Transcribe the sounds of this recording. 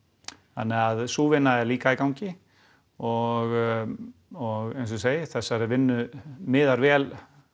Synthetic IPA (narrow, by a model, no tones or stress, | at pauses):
θa̰nːɪɣaðsuːvɪnːaɛɾliːkaikawɲcɪ | ɔɣ | ɔɣɛns̬ʏseːjɪθɛsːaɾɪvɪnːʏmɪːðaɾvɛːl